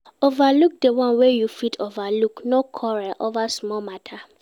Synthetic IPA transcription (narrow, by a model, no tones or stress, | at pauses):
ovaluk̚dewɔ̃nwejufitʰovaluknokʰɔɹaʔovasmɔmatʰa